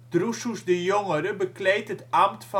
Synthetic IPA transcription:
d̥rususdəjoŋəɾəbəklejtətamtfɑ

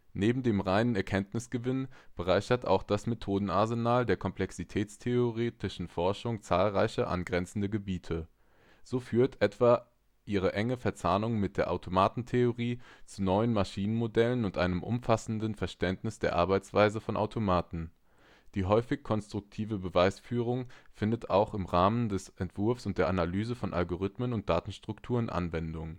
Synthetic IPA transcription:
neːbm̩deːmʁaɪnənɛɐkʰɛntnɪsɡ̥əvɪnb̥əʁaɪçɐtʔa̰ʊxd̥asmetʰoːdn̩aɐzenaːldeːɐkʰɔmplɛksitʰɛːt͡stʰeoʁeːtɪʃn̩fɔɐʃʊŋt͡saːlʁaɪçɐʔa̰nɡʁɛnt͡sn̩dəɡəbiːtʰə | z̥oːfyːɐtʔɛtv̥a | ʔiːʁ̞əʔɛŋəfɛɐt͡saːnʊŋmɪt̚d̥eːɐʔaʊtʰomaːtn̩tʰeoʁiːt͡sunɔʏənmaʃiːnənmodɛlənʊntʔaɪnəmʔʊ̰mfasn̩dənfɛɐʃtɛntnɪsd̥eːɐʔa̰ɐbaɪt͡sv̥aɪzəfɔnʔa̰ʊtʰomaːtn̩ | d̥iːɦɔʏfɪçkʰɔnstʁ̥ʊk̚tʰiːvəbəvaɪsfyːʁ̞ʊŋfɪndətaʊxɪmʁaːməndɛsʔɛntv̥ʊɐfsʊnt̚d̥eːɐʔanalyːzəfɔnʔa̰lɡoʁ̞ɪtmənʊnt̚d̥aːtn̩ʃtʁ̥ʊktʰuːʁənʔa̰nvɛndʊŋ

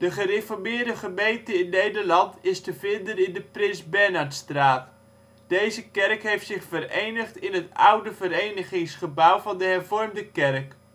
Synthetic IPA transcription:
d̥əχərefɔɹmɪːɹdəχəmejntəɪnːejdəɹlɑntɪstəvɪndənɪndəprɪnzbɛɹnɑɹtstraːt | d̥ejzəkɛrkɦejftsɪχfərejnəχtɪnɦətʌ̰wdəvəɾejnəχɪŋsχəbawvɑndəɦɛɹvɔɹmdəkɛrk

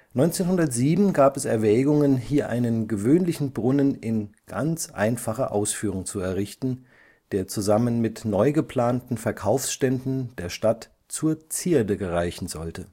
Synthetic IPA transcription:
nɔʏnt͡seːnɦʊndɐtz̥iːbm̩ɡaːpɛsɛɐvɛːɡʊŋənhiːɐʔa̰ɪnənɡəvøːnlɪçn̩bʁʊnənɪnɡ̥a̰nt͡sʔa̰ɪnfaχɐʔaʊsfyːʁ̞ʊŋt͡suɛɐʁɪçtn̩ | d̥eːɐt͡suzamənmɪtnɔʏɡəpl̥aːntn̩fɛɐkʰaʊfsʃtɛndn̩d̥eːɐʃtat | t͡suːɐt͡siːɐdəɡəʁaɪçn̩zɔltə

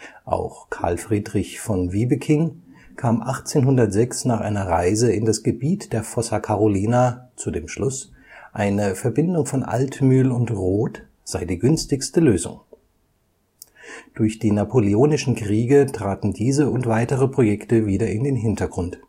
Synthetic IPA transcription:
ʔa̰ʊxkʰa̰ɐlfʁ̥iːdʁɪçfɔnviːbəkʰɪŋ | kʰaːmʔaχt͡seːnɦʊndɐtz̥ɛksnaːχʔa̰ɪnɐʁaɪzəɪndasɡ̥əbiːtd̥eːɐfɔsɐkʰaʁoliːnat͡sudeːmʃlʊs | ʔaɪnəfɛɐbɪndʊŋfɔnʔa̰ltmyːlʊntʁoːt | z̥aɪdiːɡʏnstɪçstəløːzʊ̰ŋ | d̥ʊɐçd̥iːnapʰolioːnɪʃn̩kʁ̥iːɡətʁ̥aːtn̩diːzəʊntv̥aɪtəʁəpʁ̥ojɛktəviːdɐɪndeːnɦɪntɐɡʁʊnt

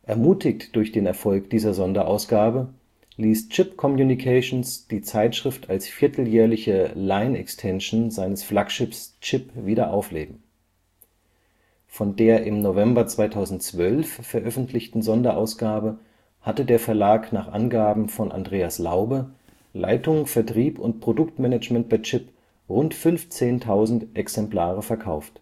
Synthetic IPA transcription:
ʔɛɐmuːtɪktd̥ʊɐçd̥eːnɛɐfɔlkd̥iːzɐzɔndɐʔaʊsɡ̥aːbə | liːst͡ʃɪpkʰɔmjunikʰaʃnsd̥iːt͡saɪtʃʁ̥ɪftalsfiːɐtʰl̩jɛːɐlɪçəlaɪnɛ̰kstʰɛnʃnzaɪnəsflakʃɪpst͡ʃɪpviːɾɐʔaʊfleːbm̩ | fɔndeːɐʔɪmnovɛmbɐt͡sv̥aɪtʰaʊzn̩tt͡sv̥œlffɛɐʔœfn̩tʰlɪçtn̩zɔndɐʔa̰ʊsɡ̥aːbə | hatədeːɐfɛɐlaːknaːχʔa̰nɡaːbm̩fɔnʔa̰ndʁeːaslaʊbə | lʔa̰ɪtʊŋfɛɐtʁ̥iːpʊntpʁ̥odʊktmɛnɛt͡ʃmɛnt̚b̥aɪt͡ʃɪp | ʁʊntfʏnft͡seːntʰaʊzn̩tʔɛksɛmpl̥aːʁ̞əfɛɐkʰaʊft

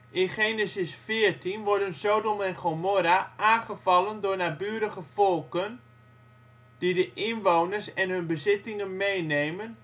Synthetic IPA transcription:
ʔɪnχeːnəsɪsfɪːrtʰinʋɔɹdənsodomɛnχomoɾaʔaːnχəfɑlˠəndʊːɹnabyːəɾəχəfɔlˠkən | d̥idəʔɪnʋownəɹsɛnɦɵnbəzɪtɪŋənmejnejmən

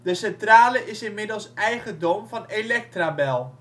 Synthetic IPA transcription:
dəsɛntraːləʔɪsɪnmɪdəl̩ˠsɛjχədomvɑnelɛk̚trabɛlˠ

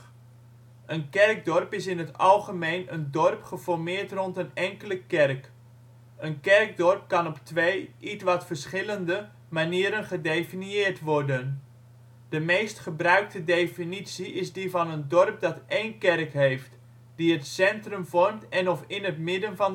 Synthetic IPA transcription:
ənkɛrɡ̚dɔrpɪsɪnətɑlˠχəmejnəndɔrpχəfɔrmɪːrtrɔntənɛŋkələkɛrk | ənkɛrɡ̚dɔrp̚kɑnɔptʋejʔitʋɑtfərsχɪləndə | maniːɾənχədefiniɪːrtʋɔrdən | d̥əmeːstχəbrœɥk̚tədefinisiʔɪzdivɑnəndɔrp̚dɑtʔeːnkɛrkɦejft | d̥iətsɛntrɵmvɔrmtɛnɔfɪnətmɪdənvɑn

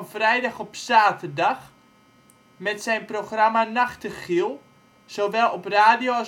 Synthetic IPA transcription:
nfrɛjdaχɔpsaːtərdaχ | mɛtsɛjnproxramanaχtəχilˠ | soʋɛlˠɔpraːdio

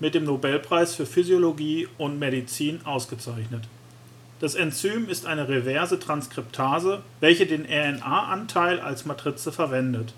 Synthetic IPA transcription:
mɪt̚d̥eːmnobɛlpʁ̥aɪsfyːɐfyzjoloɡiːʊntmedit͡siːnʔaʊsɡ̥ət͡saɪçnət | d̥asɛnt͡syːmɪstʔaɪnəʁevɛɐzətʁ̥anskʁ̥ɪp̚tʰaːzəvɛlçədeːnʔɛɛnʔaːʔantʰaɪlʔa̰lsmatʁ̥ɪt͡səfɛɐvɛndət

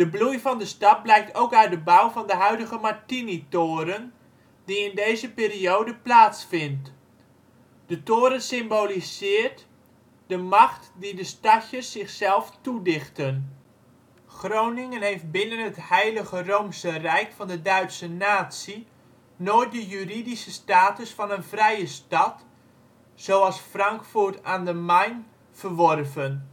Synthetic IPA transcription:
d̥əblujfɑndəstɑt̚blɛjk̚tʰowkœɥt̚dəbawvɑndəɦœɥdəɣəmaɹtinitoːɾən | diɪndejzəpiːriowdəplaːtsfɪnt | d̥ətoːɾənsɪmbolisɪːɹt | dəmɑχtdidəstɑçəsːɪχsɛlˠftudɪχtən | χrownɪŋənɦejft̚bɪnənəthɛjləɣəroːmsərɛjkfɑndədœɥtsənaːsi | noːjt̚dəjyridisəstaːtəsfɑnənvrɛjəstɑt | sowɑlˠsfrɑŋkfuɹtaːndəmajn | fərʋɔrvən

